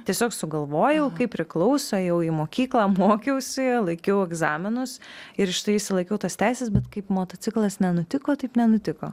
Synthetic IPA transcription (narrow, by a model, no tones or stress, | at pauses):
t̪ʲiɛsʲoːksʊɡɐlˠʋoːjɛʊkɐɪpʲːɾʲɪklˠɐʊsoːjɛʊiːmoːkʲiːklˠɑːmoːkʲɛʊsʲɪlˠɐɪkʲɛʊɛɡzɑːmʲɪnʊsɪɾʃʲt̪ɐɪɪʃʲsʲɪlˠɐɪkʲɛʊt̪ɐst̪ʲæɪsʲɛsbʲɛt̪kɐɪpmoːt̪oːt͡s̪ʲɪklˠɐsnʲɛnʊt̪ʲɪkoːt̪ɐɪpnʲɛnʊt̪ʲɪko̰ː